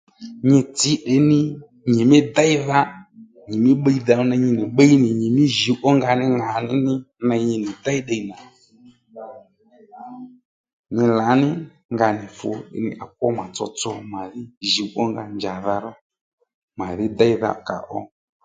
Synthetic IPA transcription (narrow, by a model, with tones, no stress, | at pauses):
ɲɪ˧tɪ˨˦ɗɪ˨˦nɪ˦ | ɲɪ˨mɪ˦da˦ɪ˦ða˧ | ɲɪ˨mɪ˦ɓə˦i˦˧ða˨˧ɔ˦na˧ɲɪ˧nɪ˨ɓə˦i˦nɪ˨ɲɪ˨mɪ˦ʒi˨˦ʔɔ˦ŋɡa˧nɪ˦ŋa˨nɪ˦nɪ˦ | na˧˦ɲɪ˧nɪ˨da˦i˦ɗa˧i˨na˨ | ɲɪ˧la˨˦nɪ˦ | ŋɡa˧nɪ˨fʊ̰˨ɗɪ̰˨˦nɪ̰˦ʔa˨k̚ɔ˦ma˨t͡sɔ̰˧t͡sɔ˧ma˨ðɪ˦ʒi˨˦ʔɔ˦ŋɡa˧nd͡ʒa˨ða˧ɾɔ˦ | ma˨ðɪ˦da˦i˦ða̰˨ka̰˨ʔɔ˦